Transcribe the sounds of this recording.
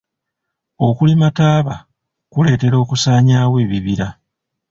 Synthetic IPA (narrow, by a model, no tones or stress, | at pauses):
o̞kulimataːβa | kule̞ːte̞ɾo̞ːkusaːɲaːwe̞ːβiβiɾa